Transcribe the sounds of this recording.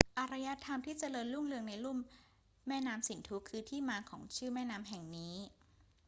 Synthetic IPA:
ʔa˧ɾa˧ja˦˥t̪ʰːa˧mt̪ʰiː˥˩t͡ɕa˧lɤː˧nlu˥˩mlɯ˧əŋna˧jlu˥˩mː | ɛː˥˩naː˦˥msi˩˦nt̪ʰu˦˥kʰɯː˧t̪ʰiː˥˩maː˧kʰɔː˩˦ŋt͡ɕʰɯː˥˩mɛː˥˩naː˦˥mɦɛ˨˩ŋniː˦˥

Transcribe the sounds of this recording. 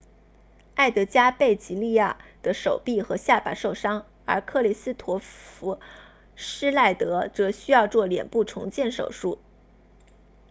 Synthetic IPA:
a˥˩ɪt̪ɤ˧˥t͡ɕja˥pe˥˩ɪt͡ɕi˧˥li˥˧ja˥˩d̪̥ə˨ʂo˨˩ʊpi˥˩xɤ˧˥ɕja˥˩pa̰˨˩ʂo˥˩ʊʂɑ˥ŋ | ə˞˧˥kʰɤ˥˩li˨˩sɹ̩˥t̪ʰwɔ˧˥fu˧˥ | ʂɻ̩˥la˥˩ɪt̪ɤ˧˥t͡sɤ˧˥ɕy˥jɑ˥˧ʊt͡swɔ˥˩ljɛ̰˨˩npu˥˩ʈ͡ʂʰʊ̰˧˥ŋt͡ɕjɛ˥˩nʂo̰˨˩ʊʂu˥˩

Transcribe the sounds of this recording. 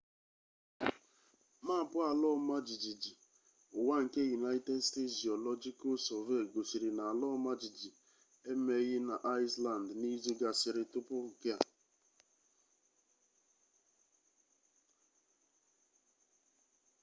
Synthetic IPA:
ma˦˨pʊ˦a˨lɔ˦ma˦d͡ʒi˨d͡ʒi˨d͡ʒi˨ | ʊ˨wa˦ŋ̩˨ke˦ju˨na˦i˦te˦dste˦tzi˨ɔ˨lɔ˦d͡ʒi˦ko˦sɔ˨ve˦˨ɡo˨si˨ɾi˨na˨a˨lɔ˦ma˦d͡ʒi˨d͡ʒi˨ | e˦me˦ɣɪ˦na˨ʔa˦ɪ˦sla˨ndni˦zi˦ɡa˨sɪ˨ɾɪ˦tʊ˦pʊ˦ŋ̩˨ke˦a̰˨

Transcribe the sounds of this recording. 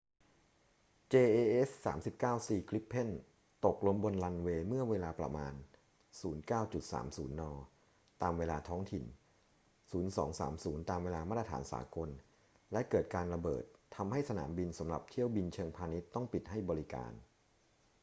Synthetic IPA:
t͡ɕeː˧ʔeː˧ʔe˦˥sːa̰ː˩˦msi˨˩p̚kaː˥˩wsiː˧kʰli˦˥pʰːe˥˩n | t̪o˨˩k̚lu˧əmbo˧nla˧nweː˧mɯ˥˩ɐweː˧laː˧pɾa̰˧maː˧n | suː˩˦nkaː˥˩wt͡ɕu˨˩t̪̚sa̰ː˩˦msuː˩˦nːɔː˧ | t̪aː˧mweː˧laː˧t̪ʰɔː˦˥ŋt̪ʰi˨˩n | suː˩˦nsɔ̰ː˩˦ŋsa̰ː˩˦msuː˩˦nt̪aː˧mweː˧laː˧ma˥˩t̪ɾa˧tʰaː˩˦nsa̰ː˩˦ko˧n | lɛ˦˥kɤː˨˩t̪̚kaː˧nɾa˧bɤ̰ː˨˩t̪ʰːa˧mha˥˩jsa˧na̰ː˩˦mbi˧nsa˩˦mɾa̰˨˩p̚t̪ʰi˥˩əwbi˧nt͡ɕʰɤː˧ŋpʰaː˧ni˦˥t̪ːɔ˥˩ŋpi˨˩t̪̚ha˥˩jbɔː˧ɾi˦ka̰ː˧n

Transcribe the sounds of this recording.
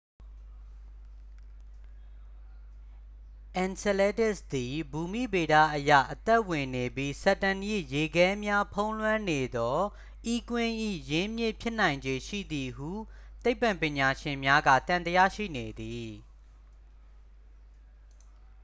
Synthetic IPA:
ʔɛ̃˨nsɛ˨lɛ˦tɪ˦sd̪i˨bu˨mḭ˦˨be˨ɾa̰˦˨ʔəja̰˦˨ʔət̪ɛ˦ʔwɪ̃˨ne˨bji˦sɛ˦˨tã˨nʔḭ˦˨je˨ɡɛ̃˦mja˦pʰõ˦ʊ̃lwã˦ne˨d̪ɔ˦ | ʔi˦kwɪ̃˦ʔḭ˦˨jɪ̃˦mjɪ˦˨pʰjɪ˦ʔn̥ã˨ɪ̃ɲd͡ʑe˨ʃḭ˦˨d̪i˨ɦu˦˨t̪e˦ɪpã˨mpjɪ̃˨ɲa˨ʃɪ̃˨mja˦ɡä̰˦˨t̪ã˨nt̪əja̰˦˨ʃḭ˦˨ne˨d̪i˨

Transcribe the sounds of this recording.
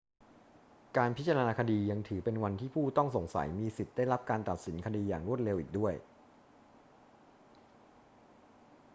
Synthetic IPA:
kaː˧npʰi˦˥t̪̚t͡ɕa˧naː˧kʰa˧diː˧ja˧ŋt̪ʰɯː˩˦pe˧nwa˧nt̪ʰiː˥˩pʰuː˥˩t̪ɔ˥˩ŋso˨˩ŋsa̰˩˦jmiː˧si˨˩t̪̚da˥˩jɾa˦˥p̚kaː˧nt̪a˨˩t̪̚si˩˦nkʰa˧diː˧jaː˨˩ŋɾu˥˩ət̪̚le˧wʔiː˨˩k̚du˥˩əj

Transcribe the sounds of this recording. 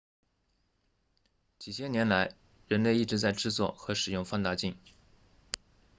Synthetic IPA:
t͡ɕi˨˩ɕjɛ˥njɛ˧˥nla˧˥ɪ | ɻə˧˥nle˥˧ɪi˥˩ʈ͡ʂɻ̩˧˥t͡sa˥˧ɪʈ͡ʂɻ̩˥˧t͡swɔ̰˥˩xɤ˧˥ʂɻ̩˨˩jʊ˥˧ŋfɑ˥˧ŋt̪a˥˧t͡ɕi˥˩ŋ

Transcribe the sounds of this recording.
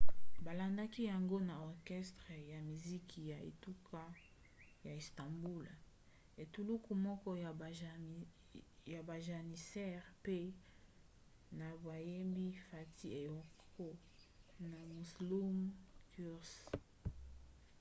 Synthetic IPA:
ba˨la˨nda˦ki˦ja˨ŋɡo˦na˨ɔ˨ʁkɛ˦stʁe˨ja˨mi˨zi˦kʰi˨ja˨ḛ˨tu˦kʰa˦ | ja˨i˨sta˨mbu˦l | e˨tu˦lu˦ku˨mɔ˦kɔ˦ja˨ | ja˨ba˨ʒa˨ni˨sɛ˦ʁpe˦ | na˨bwa˨je˦mbi˦fa˨ti˦e˨ɔ˨ko˦ | na˨mu˨slu˦mku˦ʁs

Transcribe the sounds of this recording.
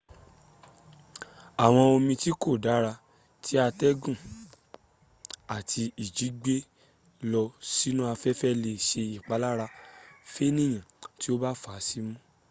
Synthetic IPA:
a˨w̃ɔ̃˧o˧mĩ˧ti˦ko˦˨da˨˦ɾa˧ | tʰi˦a˧tɛ˦ɡũ˦˨ | a˨tʰi˧i˨d͡ʒi˨˦ɡ͡be˦ | lɔ˧si˦nũ˦a˧fɛ˦fɛ˦le˧ʃe˧i˨k͡pa˨˦la˦ɾa˧fe˦nĩ˦˨j̃ã˨ti˦o˦ba˦fa˨˦si˦mũ˦

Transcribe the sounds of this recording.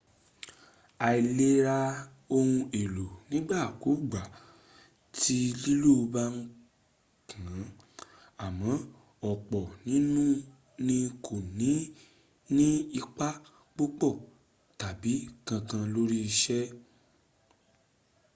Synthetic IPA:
a˨˧i˨˧le˦ɾa˧ | o˧hũ˧e˨lo˨nĩ˨˦ɡ͡ba˦˨ku˨˦ɡ͡ba˨ | tʰi˦li˦lo˦˧ba˦n̩˦ | kʰã˨˦ | a˨mɔ̃˨˦ | ɔ˨k͡pɔ˨nĩ˦nũ˦ | nĩ˧kʰo˨nĩ˨˦ | nĩ˦i˧k͡pa˦ | k͡po˦k͡pɔ˦˨ | ta˨bi˨˦kã˧kã˧lo˦ɾi˦i˧ʃɛ˦

